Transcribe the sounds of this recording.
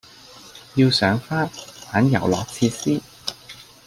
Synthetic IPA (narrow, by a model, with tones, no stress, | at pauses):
jiː˧wsœː˨˥ŋfaː˥faː˨˥njɐ̰˨˩wlɔ̰ː˨˥k̚t͡sʰiː˧siː˥